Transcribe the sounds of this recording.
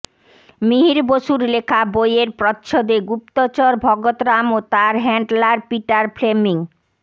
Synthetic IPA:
miɦiɾboʃuɾlekʰabojeɾpɾɔtːɕʰod̪eɡup̚t̪ot͡ɕɔɾbʱɔɡot̪ɾamot̪aɾɦɛɳɖlaɾpiʈaɾpʰlemiŋ

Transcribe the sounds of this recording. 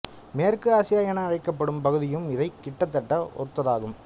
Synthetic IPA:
meːrkɯaːsɪjaːjɐɳɐːɻɐɪkːɐpːɐɽɯmpɐɣɯðɪjɯmɪðɐɪkːɪʈːɐt̪̬ːɐʈːɐɔ̰ɾɯt̪ːɐðaːɣɯm

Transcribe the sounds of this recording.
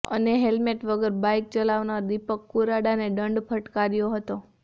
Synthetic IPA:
ə̰neɦelmeʈʋəɡəɾbajk̚t͡ʃəlaʋnaɾd̪ipəkːuɾaɽaneɖəɳɖpʰəʈkaɾjoɦət̪o

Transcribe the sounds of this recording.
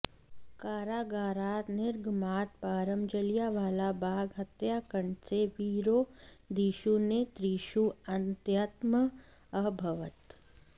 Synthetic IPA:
kaːɾaːɡaːɾaːt̪nɪɾɡʱmaːt̪̚paːɾəmd͡ʒəljaːʋaːlabaːɡɦɐt̪jaːkəɳseʋiːɾoːd̪iːʃunet̪ɾiːʃuɐnt̪jat̪mə | ɐbʱɐʋət̪

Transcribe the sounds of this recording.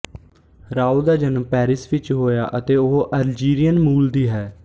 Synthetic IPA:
ɾaːuːd̪aːd͡ʒənəmpɛːɾɪsʋɪt͡ʃɦoːjaːʔət̪eːoɦoʔəɾd͡ʒiːɾijənmuːld̪iːɦɛː

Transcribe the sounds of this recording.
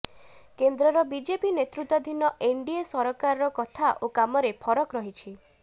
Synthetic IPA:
kend̪ɾɔɾɔbid͡ʒepinet̪ɾut̪ːɔd̪ʱinɔʔeɳɖiesɔɾɔkaɾɔɾɔkɔt̪ʰaʔokamɔɾepʰɔɾɔkɾɔɦit͡ʃʰi

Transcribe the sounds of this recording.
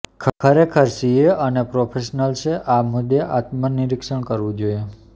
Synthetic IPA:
kʰkʰəɾekʰəɾsieʔənepɾopʰeʃnəlʃeʔamʊd̪jeʔat̪mənɪɾɪkʃəɳkəɾʋũd͡ʒoje

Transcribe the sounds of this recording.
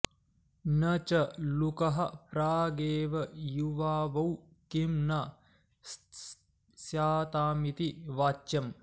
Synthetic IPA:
nɐt͡ʃɐlukɐɦɐpɾaːɡeːʋɐjuʋaːʋɐw | kimnɐ | sjaːt̪aːmit̪iʋaːt͡ʃːjɐm

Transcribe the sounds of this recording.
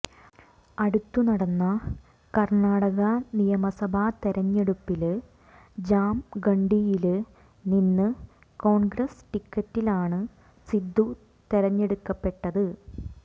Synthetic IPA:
ɐɽut̪ːunɐɽɐnːɐ | kɐrɳaːɽɐɣɐnijɐmɐsɐbʱat̪eɾɐɲːeɽupːil | d͡ʑaːmɡɐɳɖijil | ninːɨ | ko̞ːɳɡɾɐsʈikːɐtːilaːɳɨ | sid̪ʱːu | t̪eɾɐɲːe̞ɽukːɐpːe̞ʈːɐðɨ

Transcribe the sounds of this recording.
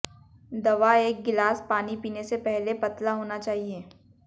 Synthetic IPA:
d̪ɐʋaeːk̚ɡɪlaːspaːnipiːnesepɛɦlepɐt̪laɦoːnat͡ʃaːɦieː

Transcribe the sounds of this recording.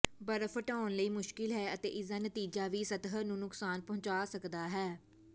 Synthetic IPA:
bəɾfəʈaːʊnləiːmʊʃkɪlɦɛːət̪ḛːʔɪsaːnət̪iːd͡ʒaːʋiːsət̪ɦənũːnʊksaːnpəɦʊ̃t͡ʃaːsəkd̪aːɦɛː

